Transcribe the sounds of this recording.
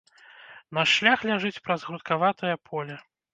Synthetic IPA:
nɐʂlʲaxlʲaʐɨt͡sʲpɾɐzɣɾut̪̚kavat̪ɐjɐpʰɔlʲɐ

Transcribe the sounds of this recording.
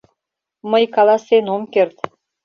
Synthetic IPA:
məjkɑlɑsenomkert̪

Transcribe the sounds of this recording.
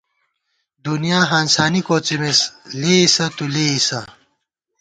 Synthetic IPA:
d̪unjaːɦaːnsaːnikoːt͡simesleisɐt̪uleisɐ

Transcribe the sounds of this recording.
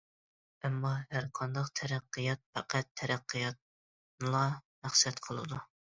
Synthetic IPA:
æmːɑhæɾqʰɑnd̪ɑqt̪ʰɛɾæqːɨjɑt̪̚fæqʰæt̪ʰːɛɾæqʰːijɑt̪̚ | nɨlˠɑmæχsɛt̪qʰəlˠɨ̰d̪u

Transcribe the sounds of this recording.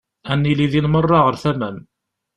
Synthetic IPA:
ænːiliðinmərˤːɑʁəɾθæmæm

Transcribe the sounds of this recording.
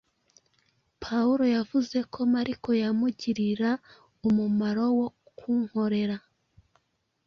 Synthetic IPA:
pʰauɾo̞javuze̞kʰo̞maɾikʰo̞jamuɟiɾiɾa | umumaɾo̞wo̞ | kʰuŋ̥ho̞ɾe̞ɾa

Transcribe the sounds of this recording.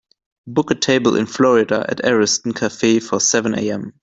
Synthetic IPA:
bʊkətʰeɪbəl̩ʔɪ̰̃nflɔɹɪdəʔɨ̰tɛɹɪstn̩kʰafeɪfəsɛvə̃nḛɪɛ̃m

